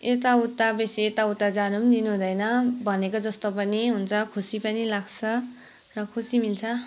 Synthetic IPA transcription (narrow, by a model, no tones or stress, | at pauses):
et̪̬aut̪ːabesiet̪aut̪ːad͡zanumd̪inuɦũd̪ʌjnʌbʱʌnekod͡zʌst̪opʌniɦunt͡sʰʌkʰusipʌnilaɡt͡sʰʌ | rʌkʰusimilt͡sʰʌ